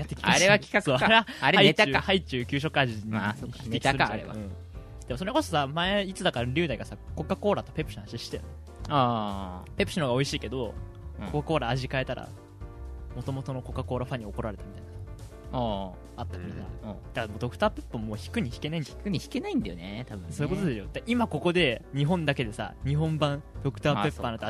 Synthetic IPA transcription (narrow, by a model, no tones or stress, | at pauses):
jat̪ːekiaɾeβakʲi̥kasoːaɾeaaɾaiet̪aahait͡ɕɨːkʲɨːɕ̬o̞kaʑiasoçikiekʲiasɨɾkaɾea̰ɯ̟̃ː | d̪emo̞soɾeko̞sosamaeit͡sɨd̪akaɾaɾʲɨ̟ːd̪aiɡasako̞kːako̞ːɾat̪o̞̥pe̞pːɯ̟ɕinãɕiɕi̥t̪ḛno̰ | a | pe̞pɯ̟ɕinoɡao̞iɕiːke̞d̪õ̞ | kokːako̞ːɾaːʑikae̞t̪aɾʔa̰ | mo̞t̪o̞mo̞t̪o̞no̞ko̞kːako̞ːɾaɸaɲ̟ːioko̞ɾaɾe̞t̪amʲit̪ainas | a | at̪ːakiit̪ad̪akadmod̪o̞kɯ̟̥t̪aːpepːammoːçi̥kɯ̟ɲ̟içi̥ke̞naĩɲd͡ʑḁ̃kɯɲ̟içi̥ke̞naĩnd̪ajo̰neɛt̪abɯ̃soːi̟kot̪od̪eɕod̪aʔimako̞ko̞d̪e̞ɲ̟iɦõ̞nd̪ake̞d̪e̞sa̰ɲ̟iɦõ̞mbãd̪̥o̞kɯ̟t̪aːpepːana